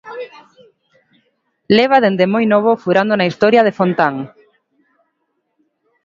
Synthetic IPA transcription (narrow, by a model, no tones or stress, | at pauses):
leβ̞aðend̪emojnoβ̞ofuɾand̪onaist̪oɾjaðefont̪aŋ